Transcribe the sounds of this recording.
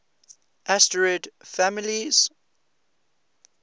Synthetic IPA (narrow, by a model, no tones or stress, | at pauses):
ʔastəɹɛdfamɪliz̥